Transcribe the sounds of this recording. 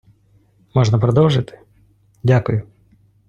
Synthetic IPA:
mɔʐnɐpɾɔd̪ɔwʐɪt̪ɪ̥ | dʲakʊjʊ

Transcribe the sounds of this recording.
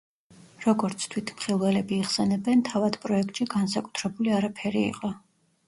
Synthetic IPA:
ɾɔɡɔɾt̪sʰt̪ʰwit̪ʰmχilˠvɛlɛbiːχsɛnɛbɛnt̪ʰavad̪̥pʼɾɔɛk̚ʰt̪ʼʃiɡansakʼu̥t̪ʰɾɛbuliaɾapʰɛɾiḭqʼɔ

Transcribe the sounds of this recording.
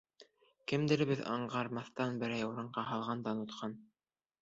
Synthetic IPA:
kɘ̆md̪ɘ̆ɾɘ̆βɘðɑ̰ɴɢɑɾmɑθt̪ɑnbɘ̆ɾæjuɾɤ̆ɴɢɑɦɑlˠʁɑnd̪ɑnut̪qʰɑn

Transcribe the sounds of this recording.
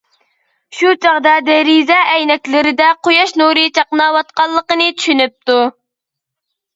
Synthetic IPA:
ʃut͡ʃʰɑʁd̪ɑd̪ɛɾizɛʔɛjnɛkʲlɪɾɪd̪ɛqojɑʃnuɾɨt͡ʃʰɑqnɑwɑt̪̚qɑlˠːəqənɨt͡ʃ̪ʰy̥ʃynyp̚t̪u

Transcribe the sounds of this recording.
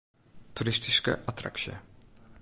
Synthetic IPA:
t̪uɾɪst̪ɪskə̰ʔat̪ɾa̰kʃiə̰

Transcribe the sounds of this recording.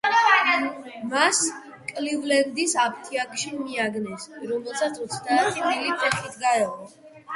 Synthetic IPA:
mas | kʼlivlɛnd̪isapʰt̪ʰiakʼʃimiaɡnɛsɾɔmɛlˠsat̪sʰɔt̪sʰd̪at̪d̪ilip̪ʼɛχit̪ʰɡaɛʁɔ

